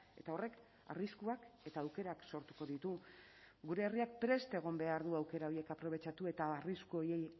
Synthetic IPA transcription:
e̞t̪ao̞re̞k | a̰riskuake̞t̪aːwke̞ɾakso̞ɾt̪u̥ko̞ðit̪u | ɡuɾe̞ːriak̚pɾe̞st̪e̞ɣ̞o̞mbe̞aɾðuawke̞ɾao̞ɾje̞kapɾo̞β̞e̞t͡ʃat̪ue̞t̪aariskuo̞je̞j

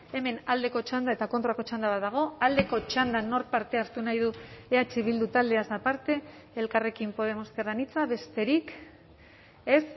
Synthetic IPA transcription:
e̞me̞nald̪e̞ko̞t͡ʃand̪ae̞t̪ako̞nt̪ɾako̞t͡ʃand̪aβaðaɣ̞o̞ald̪e̞ko̞t͡ʃand̪ano̞ɾpaɾt̪e̞aɾt̪unajðueat͡ʃiβild̪ut̪ald̪e̞azapaɾt̪e̞ː | lkare̞kimpo̞ðe̞mo̞skeranit͡saβe̞st̪e̞ɾik | e̞s

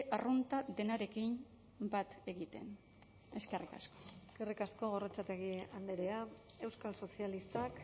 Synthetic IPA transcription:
ʔarunt̪ad̪e̞naɾe̞kim | bat̪e̞ɣit̪e̞̰n | e̞skerika̰sko̥eskerikasko̞ɣoret͡sat̪eɣiand̪eɾea | e̞wskalso̞sialist̪ak

